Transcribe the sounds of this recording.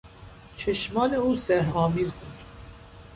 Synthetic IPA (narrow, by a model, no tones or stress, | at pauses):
t͡ʃʰəʃmɑːnɛuːsɛɾhɑːmiːzbut̪